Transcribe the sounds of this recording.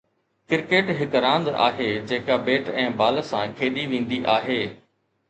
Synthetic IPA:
kɪɾkeːʈɦɪkɾãːnd̪a̰ːɦeːd͡ʑeːkabeːʈɛ̃ːbaːlsãkʰeːɗiʋẽːn̆d̪iʔaːɦeː

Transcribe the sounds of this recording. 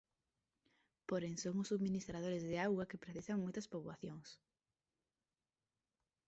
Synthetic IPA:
poɾeŋsoŋʊsuðminist̪ɾað̞oɾezðeaɣwakepɾeθisaŋmojt̪ɐspoβwaθjoŋs

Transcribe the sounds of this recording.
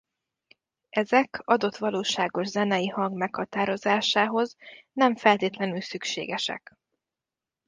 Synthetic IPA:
ʔɛzɛkʰɒd̪o̞t̪ʋɒloːʃaːɡo̞ʒzɛnɛjihɒŋɡmɛkhɒt̪aːɾo̞zaːʃaːɦo̞znɛɱfɛlt̪eːt̪lɛnylsykʃḛːɡɛʃɛ̰k

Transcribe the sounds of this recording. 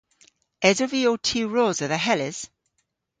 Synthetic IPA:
ɛzəviotʰiːɹɔːzəðəɦɛlɪz̥

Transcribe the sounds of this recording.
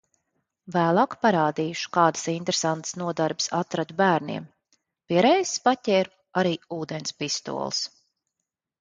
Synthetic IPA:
væːlˠɑːkpaɾaːd̪iːʃu̥kaːd̪ḁsint̪ɾesant̪snuɔd̪aɾbsat̪ɾad̪ubæːɾnḭɛm | piɛɾɛjsspatʲɛːɾu | aɾiːuːd̪enspist̪ṵɔlˠs

